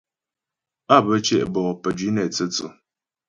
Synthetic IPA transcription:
a˦˨bə˦t͡ʃɛ̰˦ʔbɔ˨pə˨d͡ʒɥi˨˦nɛ˨t͡sə˦t͡sṵ˨

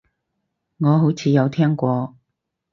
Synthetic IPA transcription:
ŋɔː˨˧ɦo˨˥wt͡sʰiː˨˧jɐ˨˧wt̪ʰɛː˥ŋkʷɔː˧

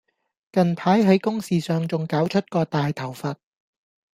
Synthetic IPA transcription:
kɐ˨npʰaː˨˥jɦɐ˨˥jkʊ˥ŋsiː˨sœː˨ŋt͡sʊ˨ŋkaː˨˥wt͡ʃʰɵ˥t̚kɔː˧t̪aː˨jt̪ʰɐ˨˩wfɐ˨t̚

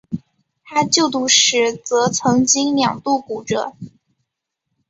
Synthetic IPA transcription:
t̪ʰa˥t͡ɕjo˥˩ʊt̪u˥˩ʂɻ̩˧˥t͡sɤ˧˥t͡sʰɤ˧˥ŋt͡ɕi˥ŋljɑ̰˨˩ŋt̪u˥˩ku˨˩ʈ͡ʂɤ̰˨˩˦

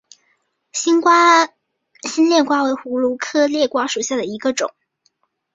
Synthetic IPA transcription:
ɕi˥nkwa˥ | ɕi˥nljɛ˥˧nkwa˥we˧˥ɪxu˧˥lu˧˥kʰɤ˥ljɛ˥˩kwa˥ʂu˨˩ɕja˥˩d̪ə˩i˧˥ɡə˧ʈ͡ʂʊ̰˨˩˦ŋ

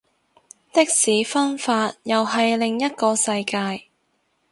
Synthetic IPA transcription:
t̪ɪ˥k̚siː˨˥fɐ˥nfaː˧t̚jɐ˨wɦɐ˨jlɪ˨˩ŋjɐ˥t̚kɔː˧sɐ˧jkaː˧j

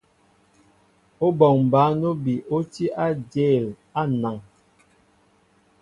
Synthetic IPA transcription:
o˦bɔ˨ŋm˨ba˨˦no˦bi˨ʔo˦ti˦ʔa˦de˦˨l | a˦na˨ŋ

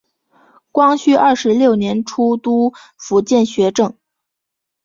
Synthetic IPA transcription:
kwɑ˥ŋɕy˥ʔɐ˥˩ʂɻ̩˧˥ljo˥˩ʊnjɛ˧˥nʈ͡ʂʰu˥t̪u˥ | fu˧˥t͡ɕjɛ˥˩nɕɥɛ˧˥ʈ͡ʂɤ˥˩ŋ

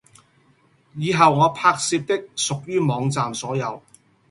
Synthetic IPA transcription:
jiː˨˧ɦɐ˨wŋɔː˨˧pʰaː˧k̚siː˧p̚t̪ɪ˥k̚sʊ˨k̚jyː˥mɔː˨˧˥ŋt͡saː˨msɔː˨˥jɐ˨˧w

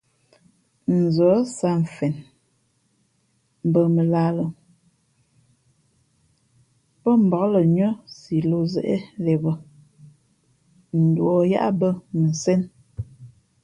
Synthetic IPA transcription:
n̩˨zɔ˨˦sa˦ɱ̩˨fɛ˨n˨ | bə˨mə˨la˦lo˨ | pɔ˦m̩˨bɔ˨klə˨ɲɔ˦si˨lo˦zɛ˨ʔe˦le˨bə˦ | n̩˨dwɔ˨ja̰˦ʔa˦bə˦mə˨sɛ˦n

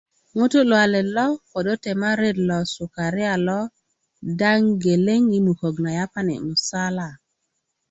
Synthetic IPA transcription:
ŋo˦to˦lwa˨le˨lɔ˦ko˨do˦te˨ma˦ɾe˦dlɔ˨su˨ka˨ɾɪ˦a˨lɔ˦ | da˦ŋɡe˨le˦ŋi˦mu˨ko˨ɡna˨ja˦pa˦nḭ˨mu˨sa˦la˨

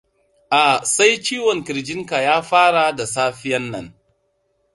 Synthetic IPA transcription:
ʔa˨sa˦jt͡ʃiː˦wɔ˨ŋkɪ˨ɾd͡ʒɪ˦ŋka˨jaː˦ɸaː˦ɽa˨da˨saː˦ɸɪ˦jɐ˦nːɐ̰˨n

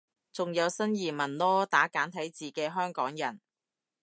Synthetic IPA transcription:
t͡sʊ˨ŋjɐ˨˧wsɐ˥njiː˨˩mɐ˨˩nlɔː˥t̪aː˨˥kaː˨˥nt̪ʰɐ˨˥jt͡siː˨kɛː˧ɦœː˥ŋkɔː˨˥ŋjɐ˨˩n

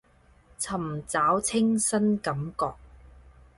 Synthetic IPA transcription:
t͡sʰɐ˨˩mt͡saː˨˥wt͡sʰɪ˥ŋsɐ˥nkɐ˨˦mkɔː˧k̚

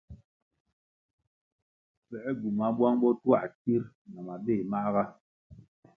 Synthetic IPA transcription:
fɛ˨ʔɛ˦ɡu˨ma˦bwa˦ŋɓɔ˦twa˦˨ʔti˦ɾna˨ma˨be˦˨ma˦ʔɣa˦

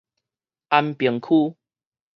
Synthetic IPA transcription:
a˧npi˨˦ŋkʰu˦

